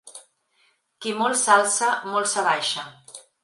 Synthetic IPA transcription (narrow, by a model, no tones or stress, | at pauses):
kimolˠsalˠsamolˠsaβajʃa